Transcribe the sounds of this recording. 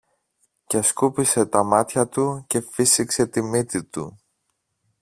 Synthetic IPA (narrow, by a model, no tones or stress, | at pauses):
ceskupise̞t̪ɐmɐt̪çɐt̪uce̞fisikse̞t̪imit̪it̪u